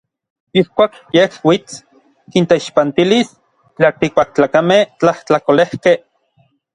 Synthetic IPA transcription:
ihkʷaːkjehwit͡s | kint̪eiʃpant̪ilis | t͡ɬaːkt̪ik̚pak̚t͡ɬaːkameht͡ɬaht͡ɬakolehkeh

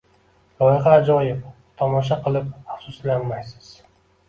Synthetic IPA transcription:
lˠɒjɪʁɑːd͡ʒɒjɪp̚ | t̪ʰɒmɒʃ̬aqʰɨlˠɪp̚aχsʊslanmajsɪ̥z̥

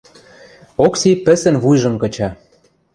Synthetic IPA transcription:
oksipɘ̆sə̆nβujʒɤ̆mkɤ̆t͡ɕɑ

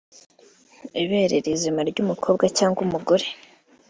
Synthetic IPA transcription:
iβe̞ɾeɾizimaɾɟumukʰo̞ːb̚ɡacaːŋɡumuɡoɾe̞

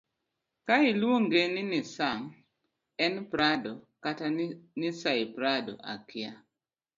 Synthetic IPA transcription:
kailwoŋɡenɪnisaŋ | ɛnpɾadɔkatanɪsaipɾadɔ̰ʔa̰kɪa

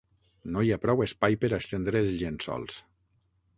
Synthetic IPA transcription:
nojapɾɔwespajpəɾakst̪end̪ɾeelzʎensːɔ̰lˠs

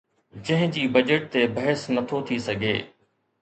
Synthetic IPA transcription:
d͡ʑɐ̃ɦɪ̃d͡ʑiːbɐd͡ʑəʈ̚t̪ebɐɦəsnɐt̪ʰot̪ʰisɐɡʱḛː

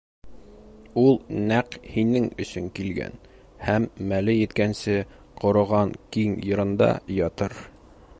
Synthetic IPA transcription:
ulˠnæqhinɘŋɵ̆sɵŋkilɡæ̰n | hæmːælɘjɘ̆t̪kænsɘ | qŏɾŏʁɑŋkiŋjɤ̆ɾɤ̆nd̪ɑ̰jɒt̪ɤɾ

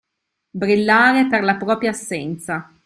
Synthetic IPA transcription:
bɾilːaːɾeperlapɾɔːpɾjaːsːɛnt̪sa

